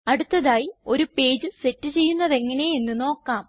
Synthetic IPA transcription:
ɐɽut̪ːɐðaːjio̞ɾupe̞ːd͡ʑɨse̞tːɨt͡ɕe̞jːunːɐðe̞ŋːɐne̞jenːuno̞ːkːaːm

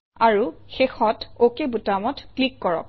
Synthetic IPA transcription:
aɹuxexɔtokebutamɔtklikːɔɹɔ̰k̚

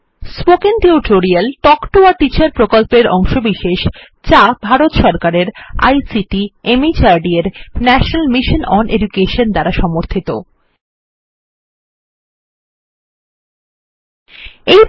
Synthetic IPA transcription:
spokeŋʈeuʈʰoɾialʈɔkʈoaʈit͡ɕaɾpɾokolpeɾɔ̰ŋʃobiʃeʃ | t͡ɕabʱaɾot̪ʃɔɾkaɾeɾa̰jsiʈiemit͡ɕaɾɖieɾnɛʃonalmiʃonɔnʔḛd͡ʑukeʃond̪aɾaʃɔmoɾt̪ʰit̪o | ej

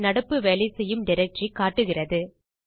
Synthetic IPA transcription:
nɐɽɐpːɯʋeːlɐɪsɛjːɯmnɪɾɐt͡ʃikaːʈːɯɣɪrɐðɯ

